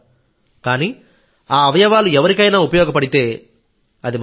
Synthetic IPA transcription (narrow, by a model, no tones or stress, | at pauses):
kaːniː | aːɐʋɐjɐʋaːluɛʋɐɾikɐjnaːupɐjɔːɡɐpɐɽit̪e̞ː | ɐd̪im